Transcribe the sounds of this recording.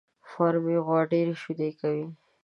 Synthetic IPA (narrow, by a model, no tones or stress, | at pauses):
fɑɾmeɣwɑɖeɾeʃud̪ekawi